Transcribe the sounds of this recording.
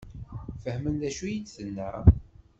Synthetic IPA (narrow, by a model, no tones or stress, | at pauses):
fəhmənðæʃujidθənːəɾ